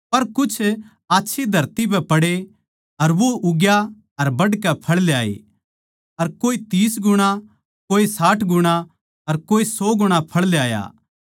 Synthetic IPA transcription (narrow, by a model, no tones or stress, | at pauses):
pɐɾkʊt͡ʃʰ | aːtːʃʰid̪ʱɐɾt̪ipɛpɐɽe | ɐɾʋoʔʊɡja | ɐɾbɐɽkɛpʰɐɽleaːḛ | ɐɾkoːit̪iːsɡʊɽ̃a | koːisaːʈʰɡʊɽ̃a | ɐɾkoːisɔːɡʊɽ̃apʰɐɭljaːja̰ː